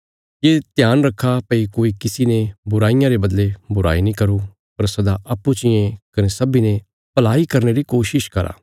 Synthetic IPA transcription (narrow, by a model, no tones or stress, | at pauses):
jet̪jaːnɾɐkʰːapɐikoːikɪsinebʊɾaːɪjãɾebɐd̪lebʊɾa̰ːinĩkɐɾu | pɐɾsɐd̪aʔɐpːut͡ʃɪjẽkɐnesɐbine | pɐlaːikɐɾneɾikoːʃɪʃkɐɾa̰ː